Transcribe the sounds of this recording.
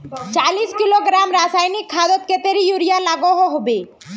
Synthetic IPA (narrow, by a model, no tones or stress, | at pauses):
t͡ʃaːliːskiloɡɾaːmɾaːsaːjnikʰːaːd̪ɔt̪̚ket̪eɾijuɾijalaːɡoɦoɦobeː